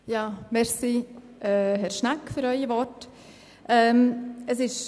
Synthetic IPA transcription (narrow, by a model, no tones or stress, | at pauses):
jɑːmɛsi | ɛɦɛɾʃnakfʏɾœʏivɔrt | ʔɛːməsɪʃ